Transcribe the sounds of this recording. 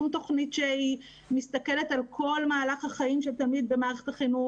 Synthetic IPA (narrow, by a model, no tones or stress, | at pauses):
umt̪oχnitʃei | mist̪ake̞le̞talkʰo̞lmaːlaχhaχaimʃet̪amid̪̚be̞maːʁeχetaχinu